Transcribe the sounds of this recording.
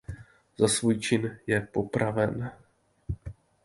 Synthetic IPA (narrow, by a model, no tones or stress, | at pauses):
zasvuːjt͡ʃɪnjɛpo̞pɾavɛn